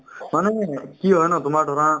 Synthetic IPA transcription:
manɛkiɦɔjnat̪ʊmaɾɖʱɔɾãː

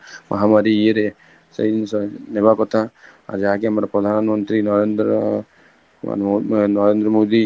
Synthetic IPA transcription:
mʔɐ̰ɦamaɾieɾe | sə̰isnebakɔt̪ʰaa̰ɾd͡ʒaɦãkeamɾapɾɔd̪ʱanmɔnt̪ɾinɔɾend̪ɾ | nɔɾẽnd̪ɾəmod̪i

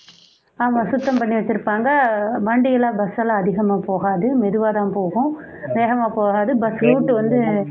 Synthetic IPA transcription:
aːmãːsʊt̪ːɐmpɐɳːiʋɐt͡ʃːɪɾɯpːaːŋɡɐbɐɳɖɪjɪlaːbɐsɐlãːɐðɪɣɐmaːpoːɣaːðɯmɛðɯʋaːt̪ãːpoːɣʊ̃ | ʋeːɣɐmaːpoːɣaːðɯbɐsɾuːʈːɯʋɐnd̪ɯ

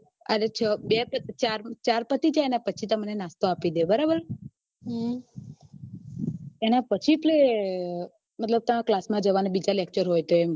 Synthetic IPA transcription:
əɾet͡ʃʰɔbepət͡ʃaɾt͡ʃaɾpət̪it͡ʃʰaenapət͡ʃʰit̪əmənenast̪oapid̪ebəɾabəɾ | ɦ | enapət͡ʃʰiple | mət̪ləb̚t̪əmãklasmãd͡ʒəʋanebid͡ʒalek̚t͡ʃəɾɦojt̪oem

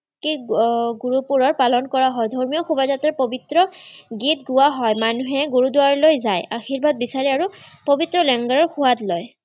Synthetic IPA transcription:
kiɡuɹupuɹɔɹpalɔnkɔɹaɦɔjdʱɔɹmijɔxubazatɔɹpobitɹɔɡitɡʊaɦɔjmanuɦɛɡuɹudʊwaɹlojzajaxiɹbʱad̚bisaɹiaɹupobitɹɔlɛŋɡaɹɔɹxʊwatlɔj

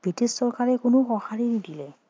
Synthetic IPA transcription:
b̥ɹitisːɔɹkaɹɛkʊnʊxɔxaɹinidilɛ

